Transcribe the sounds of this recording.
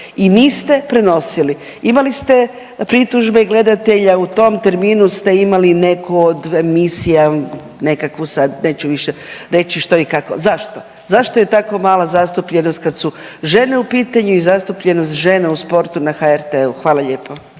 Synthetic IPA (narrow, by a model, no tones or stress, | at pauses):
iniːst̪e̞pɾe̞no̞sili | imalist̪e̞ | pɾit̪uʒbeiɡle̞d̪at̪e̞ʎaut̪o̞mt̪e̞ɾmiːnust̪e̞imaline̞kʰood̪emisija | ne̞kakʋusad̪ne̞ːt͡ɕuʋiʃeɾe̞t͡ɕiʃt̪o̞ikako̞̰zaʃt̪o̞ | zaʃt̪oje̞t̪akomaːlazast̪upʎenost̪̚kad̪suʒe̞ne̞upiːt̪aɲuizast̪upʎe̞nost̪ʒe̞neuspo̞ɾt̪unaxaeɾt̪euxʋaːlˠaʎe̞ːpʰo